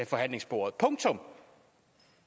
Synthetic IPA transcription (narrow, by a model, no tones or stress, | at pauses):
efɒ̽ɦæn̰le̝ŋsb̥o̝ːɐð̩ˠpʰɔ̽ŋt͡sʰɔ̽m